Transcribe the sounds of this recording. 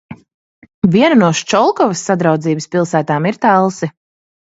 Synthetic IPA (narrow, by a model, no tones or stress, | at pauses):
viɛnunuɔʃt͡ʃɔlˠkɔvɐsːad̪ɾawd̪ziːbɨspilˠsæːt̪aːmiɾt̪alˠsi